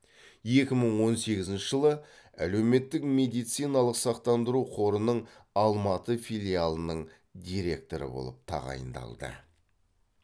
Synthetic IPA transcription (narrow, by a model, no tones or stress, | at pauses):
je̞kʲɪməɴwo̞nse̞ɡʲɪzɪnʃɪʒəlˠəæ̰le̞wme̞t̪ːɪkme̞d̪ijt̪sijnɑlˠəqsɑqt̪ɑnd̪əɾuqʰo̞ɾənəɴɑlˠmɑt̪əfijlʲijalˠənəɴ | d̪ijɾe̞̰k̚t̪o̞ɾə̰bo̞̰lˠə̰p̚t̪ʰɑ̰ʁɑ̰jə̰nd̪ɑ̰lˠd̪ə̰